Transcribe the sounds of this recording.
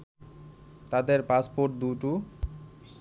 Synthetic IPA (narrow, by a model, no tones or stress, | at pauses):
t̪ad̪eɾpaspoɾʈ̚d̪uʈu